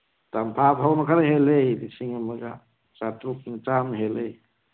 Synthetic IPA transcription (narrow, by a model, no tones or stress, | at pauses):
tampʰaphawnakʰaɾaɦelejdisiŋemaɡa̰ | t͡ʃatɾup̚nit͡ʃamɦelej